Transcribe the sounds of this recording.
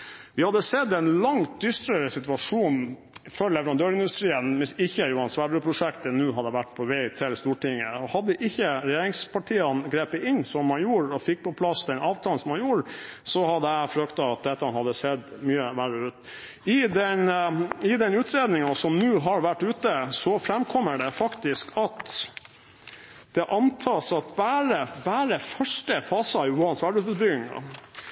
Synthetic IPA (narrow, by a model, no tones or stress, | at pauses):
ʋɪhɑd̪ːəsɛd̪ːɛnlɑŋt̪̚d̪ʏst̪ɾəɾəsɪt̪ʉɑʂuːn | føːɾlɛʋəɾɑnd̪øːɾɪnd̪ʉst̪ɾiːənmɛnsɪçːəjʊɑnsʋæːbɾʉpʰɾʊʂɛkt̪ənʉːɦɑd̪ːəʋæʈːpʰɔʋɛɪt̪ʰɪlst̪uːʈɪŋːəɔhɑd̪ːəʔɪçːəɾɛjeːɾɪŋspʰɑʈʰiːɑnɡɾeːpəɪnːsɔmɑnjuːɾɔfɪk̚pʰɔpʰlɑsd̪ɛnɑːʋt̪ʰɑːlnsɔmhɑnjuːɾsɔhɑd̪əæfɾøːkt̪ɑɑt̪̚d̪ɛt̪ːəɑnhɑd̪ːəsɛd̪myːəʋæɾəʉːt̪ | ɪd̪ɛnɪd̪ɛnʉːt̪ɾeːd̪nɪŋɑsɔmnʉːɦɑɾʋæʈːʉːt̪əsɔfɾɛmkʰɔmːəɖɛfɑkt̪ɪskɑt̪ | d̪̥ɛʔɑnt̪ʰɑːsɑt̪̚bæːɾəbæːɾəfœʂʈəfɑːsɑɪʉɑnsʋæɖʉsbəsbʏɡɪŋɑ̰